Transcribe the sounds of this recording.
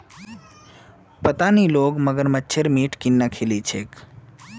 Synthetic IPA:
pət̪aniloɡməɡəɾmətːʃʰeɾmiʈkinːakʰelit͡ʃʰek

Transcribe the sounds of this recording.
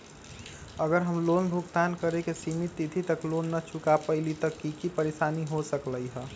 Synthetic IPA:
əɡəɾɦəmlonbʱukt̪ankəɾekesimit̪ːit̪ʰit̪əklonːət͡ʃʰukapəɪlit̪əkːikipəɾesaniɦosəkləjɦə

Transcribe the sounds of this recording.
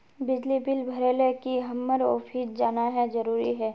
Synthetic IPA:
bɪd͡ʒlibɪlbʱɐɾeːlekiɦɐmːəɾo̰ːfʰiːsd͡ʒaːnaɦɛzɐɾuːɾiɦɛː

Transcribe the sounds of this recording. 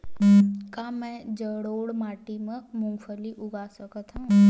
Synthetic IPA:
kaːmɛ̃d͡ʒəɽoːɽmaːʈimə̃mʊ̃ŋɡfʰəliʔʊɡasəkət̪ʰɦũ

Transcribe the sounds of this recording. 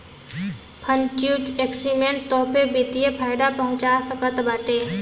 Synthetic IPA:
pʰə̃nt͡ʃjuːd͡ʒeksimẽɳʈt̪ɔːpʰebit̪ijepʰaːɪɖapɐɦʊ̃t͡ʃasəkət̪baːʈeː

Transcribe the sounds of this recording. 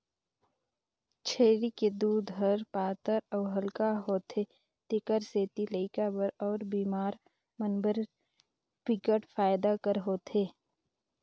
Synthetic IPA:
t͡ʃʰeːɾiked̪uːd̪ʱɦəɾpaːt̪əɾɔːɦəlkaɦoːt̪eː | t̪ɪkəɾseːt̪iləɪkabəɾɔːɾbiːmaːɾ | mənbəɾ | pɪkəʈfaːjd̪akəɾɦoːt̪eː

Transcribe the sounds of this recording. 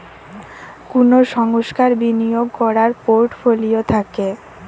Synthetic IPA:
kunoʃɔŋɡoʃkaɾbinijoɡ̚kɔɾaɾpoɾʈfoliot̪ʰake

